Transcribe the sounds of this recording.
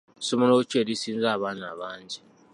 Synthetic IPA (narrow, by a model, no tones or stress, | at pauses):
sumunout͡ʃʰʼelisinzaβana̰βaːnd͡ʒʱɛ